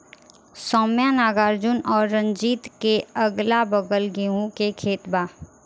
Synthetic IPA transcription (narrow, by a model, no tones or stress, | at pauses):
sɔːmjanaːɡaːɾd͡ʒʊnɔːɾːə̃nd͡ʒiːt̪keəɡlabəɡəlɡeːɦũkekʰeːt̪baː